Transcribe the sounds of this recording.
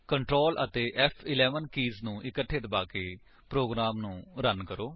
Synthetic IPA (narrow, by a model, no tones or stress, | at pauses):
kəɳʈɾoːlʔə̰t̪eːʔɛpʰɪlɛːʋənkiːznũːʔɪkəʈʰːet̪baːkeː | pɾoːɡɾaːmnũːɾənkəɾoː